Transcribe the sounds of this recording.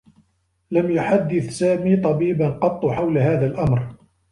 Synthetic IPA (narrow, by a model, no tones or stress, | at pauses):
lamjʊħad̪ːɪθsaːmiːt̪ˤɑbiːbanqɑt̪ˤːʊħawlaɦaːðalʔamɾ